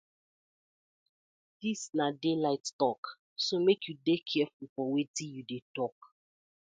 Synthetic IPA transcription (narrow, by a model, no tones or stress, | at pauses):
d̥isnadelaɪttɔk | somekʰjudekʰɛɛful̩fɔwetĩjudetɔk̚